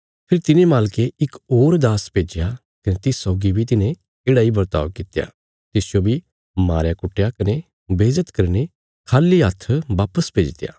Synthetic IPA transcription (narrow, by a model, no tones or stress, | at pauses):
pʰɪɾit̪ɪnẽmaːlkeɪkoːɾd̪aːspeːd͡ʒja | kɐnet̪ɪsɔːɡibʱit̪ɪnẽ | eːɽaibɐɾt̪a̰ːʋkɪt̪eja̰ː | t̪ɪsjobʱi | maːɾjakʊʈʰːejakɐne | beːd͡ʒət̪kɐɾne | kʰaːliɦɐt̪ʰːʋaːpəspeːd͡ʒt̪eja̰ː